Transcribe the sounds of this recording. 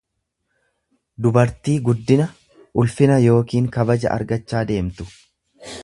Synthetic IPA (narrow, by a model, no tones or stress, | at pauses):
d̪ʊbɐɾt̪iːɡʊd̪ːɪnɐ | ʔʊlfɪnɐjo̞ːkiːŋkɐbɐd͡ʒɐ̰ʔɐ̰ɾɡɐt͡ʃːaːd̪e̞ːmt̪ʊ̥